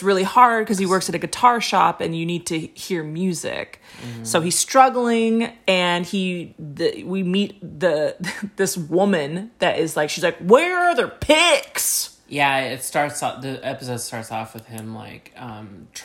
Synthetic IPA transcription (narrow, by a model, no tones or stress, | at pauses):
sɹɪlˠihɑɹd̚kʰʌz̥iwɜ˞ksɨɾɨɡɨtʰɑɹʃɑ̰pɨ̃njɨnid̚tʰɨhiɹmjʉzɪ̰k | soʊiz̥stɹ̥ʌɡl̩ˠɪ̃ŋɨ̃niðɨwimit̚ðɨðɪswʊmɨ̃nðɨɾɪzlaɪkʃizlaɪkwə˞ːðə˞pʰɪks | jæɪtstɑɹtsɔ̰ðɨɛpəs̬oʊd̥stɑɹtsɔ̰fwɨð̥ɪ̃mla̰ɪkʌ̃mʰ